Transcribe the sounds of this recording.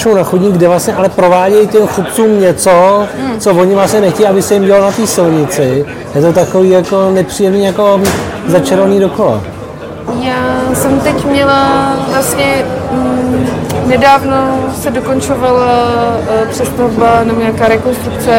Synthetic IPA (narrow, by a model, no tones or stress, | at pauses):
ʃownaxudɲiːɡdɛvlasɲɛʔalɛpɾovaːɟɛjcɛmxut̪̚t͡suːmɲɛt͡sot͡sovoɲɪvlastɲɛnɛxcɛjʔabɪsɛjɪmɟɛlonat̪iːsɪlɲɪt͡sɪ | jɛt̪o̞t̪ako̞viːjako̞nɛpr̥iːjɛmniːjako̞ | zat͡ʃɛɾvaniːdokola̰ | jaːsɛmt̪ɛcmɲɛlavlasɲɛ | nɛdaːvno̞sɛdokont͡ʃovala | pr̥ɛst̪avbanɛboɲaːkaːɾɛkonst̪ɾukt͡sɛ